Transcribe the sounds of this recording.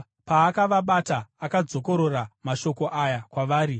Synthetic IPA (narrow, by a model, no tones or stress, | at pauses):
paːkaʋaɓataːkad͡zo̞ko̞ɾoramaʃo̞ko̞ʔajakwaʋaːɾi